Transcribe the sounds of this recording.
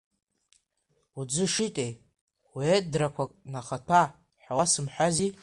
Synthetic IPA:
ud͡zɨʂitʼej | wetʼdrakʷʰakʼnaχatʰa | ħawasɨmħʷᶣazi

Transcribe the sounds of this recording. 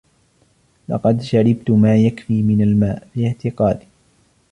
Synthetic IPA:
lɑ̰qɑd̪ʃaɾɪb̚t̪ʊmaːjakfiːmɪnalmaːʔfiʕt̪ɪqɑːd̪ɪ

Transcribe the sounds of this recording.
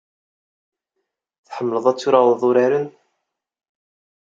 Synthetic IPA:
θħəmːələðˤæt͡sːuɾaðˤʊɾæɾən

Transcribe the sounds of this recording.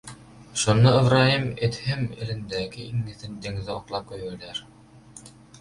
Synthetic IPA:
ʃŏnːoɘ̆vɾaimɘ̆t̪hɘmɘ̰̆lɘ̆nd̪æɡɘiŋːɘ̆θɘnd̪ɘ̆ŋðɘoqlˠɑp̚kɵjælæɾ

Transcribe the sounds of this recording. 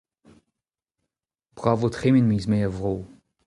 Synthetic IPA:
b̥ʁaːvotχeminmiːzmeːəvʁoː

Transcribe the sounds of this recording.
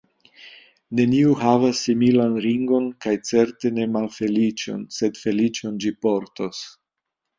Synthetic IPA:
ne̞niuɦavasːimilanɾiŋɡo̞nkajt͡se̞ɾte̞ne̞malfe̞lit͡ʃo̞̰nse̞dfe̞lit͡ʃo̞nd͡ʒipo̞ɾtos

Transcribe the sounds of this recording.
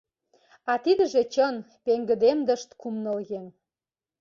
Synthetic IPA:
ɑt̪id̪ə̆ʒet͡ɕən | peŋɡə̆d̪emd̪ə̆ʃt̪kumnə̆lɣem

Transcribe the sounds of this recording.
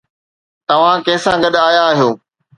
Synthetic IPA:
t̪ɐʋ̤ãkɛːsãɡɐɗaːjãɦijoː

